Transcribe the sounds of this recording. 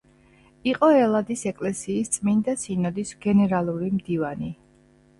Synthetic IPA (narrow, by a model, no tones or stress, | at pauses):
iqʼɔɛlˠad̪isɛkʼlɛsiːst̪sʼmind̪asinɔd̪isɡɛnɛɾalˠuɾimd̪ivani